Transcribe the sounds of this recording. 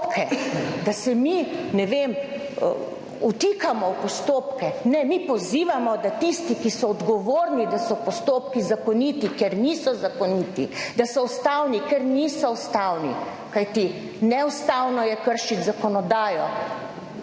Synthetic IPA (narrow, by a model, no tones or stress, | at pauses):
pkɛd̪asɛminɛʋeːm̰ | ut̪ikamɔwpɔst̪oːpkɛnɛmipɔziːʋamɔd̪at̪ist̪ikisɔːd̪ɡɔʋoːɾnid̪asɔpɔst̪oːp̚kizakɔnit̪ikɛɾnisɔzakɔniːt̪id̪asɔwst̪aːwnikɛɾniːsɔst̪awnḭ | kajt̪i | nɛwst̪awnɔjɛkəɾʃit̪zakɔnɔd̪aːjɔ